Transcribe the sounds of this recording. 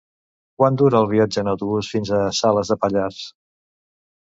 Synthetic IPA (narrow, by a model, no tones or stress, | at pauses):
kwand̪uɾəːlˠβ̞iad͡ʒəːnəwt̪uβusfinzəsaləzðəpəʎars